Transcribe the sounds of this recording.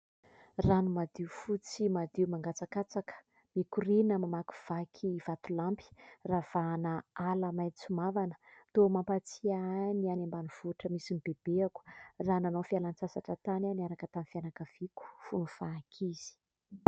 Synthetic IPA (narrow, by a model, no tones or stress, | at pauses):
ranumad̪iufut͡simad̪iumaŋɡat͡sakat͡sakə̥ | mikurinəmamaku̥v̥akʰivat̪ulampi̥rav̥anəaləmaj̪t͡sumavanə̥t̪omampat͡sianianembaniv̥uʈ͡ʂəmisinibeb̥eaku̥rananofialant͡sasaʈ͡ʂət̪ananiaɾakət̪anfianakəv̥iku̥funufakʰiz̥i̥